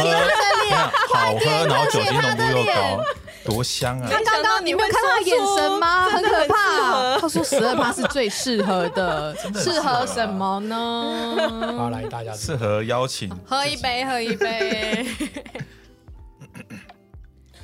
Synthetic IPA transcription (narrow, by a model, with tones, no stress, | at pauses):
e˥˩˥xwa˥˨˧ʊxɤ˦na˨˧˦ʊt͡ɕjo˨˩ʊi˥nə˧˥˩o˥˧jo˥˩kɛ˥ɑ˨˩ʊ | t̪wɔ˧˥ɕjɑ˦ŋa˥ŋkɑ˥kɑ̃˦ŋni˨me˧˥jk̪ʰjɛ˨˦ə˧˥nma˧hə˧˦nkʰə˨˩˧pʰa˥˧a˥swɔ˥ʂ̩˨˥ə˥˩pʰa˥ʂɻ̩˥˧t͡swe˥˧ɪʂɻ̩˥˩xɤ˧˥d̪ə˧ʂɻ̩˥˨xə˧˦ʂə˨˩˦mə˦nə˧ | ʂ̩˥˩xɤ˧˦jɑ˦ʊt͡ɕʰḭ˨˩ŋhə˧˥i˧˥˩pe˧˩ɪxɤ˧˥i˧˩pe˩˧˩